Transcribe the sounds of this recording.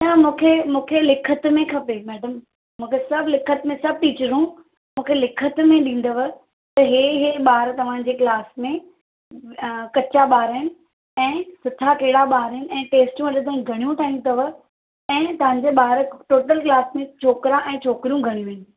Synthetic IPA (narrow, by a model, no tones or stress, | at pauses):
namũːkʰemũːkʰelɪkʰət̪mẽkʰɐpemɛːɖəm | mũːkʰesɐbʱlɪkʰət̪mẽsɐb̚ʱʈiːt͡ɕɾũ | mũːkʰelɪkʰət̪mẽɗĩːn̆d̪əʋə̆ | t̪ɐɦeːɦeɓaːɾt̪ɐʋ̤ã̆d͡ʑeːklaːsmẽ | kɐt͡ɕaɓaːɾɪnɪ̆ | ɛ̃ːsʊt̪ʰakɐɦɪɽaɓaːɾɪnɪ̆ɛ̃ːʈeːsʈjũɐɗɪnd̪ũɡʱɐɽ̃ijũt̪ʰaːĩt̪ɐʋə̆ | ɛ̃ːt̪ɐʋ̤ãːɲ̆d͡ʑeɓaːɾʈoːʈəlklaːsmẽt͡ɕʰoːkɾãʔɛ̃ːt͡ɕʰoːkɪɾijũɡʱɐɽ̃jũɪnɪ̆